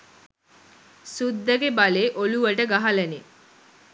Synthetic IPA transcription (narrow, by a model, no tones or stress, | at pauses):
sud̪ːəɡebaleːʔoluʋəʈəɡaɦaləne